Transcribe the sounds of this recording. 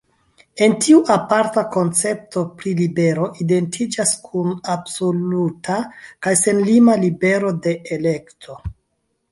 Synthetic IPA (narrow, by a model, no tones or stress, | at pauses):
e̞ntiuʔapaɾtako̞nt͡se̞p̚to̞pɾilibe̞ɾo̞ʔide̞ntʰid͡ʒaskʰunabso̞lutʰakajse̞nlimalibe̞ɾo̞de̞ʔele̞ktʰo̞